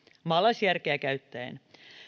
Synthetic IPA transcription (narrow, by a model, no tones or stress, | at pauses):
mɑlːɑsjærkeækæyt̪ːæḛn